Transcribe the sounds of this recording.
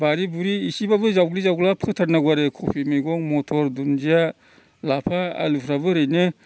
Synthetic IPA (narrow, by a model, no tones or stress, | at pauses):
baɾibuɾiːsibabɯzawɡlizawɡlapʰɯtʰaɾnaɡwaɾɯkʰɔpʰimijɡɔŋmɔtʰɔɾdunzia | lapʰaa̰lupʰɾaβɯɾɯjnɯ